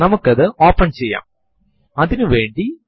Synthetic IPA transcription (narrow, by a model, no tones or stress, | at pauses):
nɐmukːɐðɨoːpːɐɳt͡ɕe̞jːa̰ːm | ɐðinɨʋe̞ːɳɖi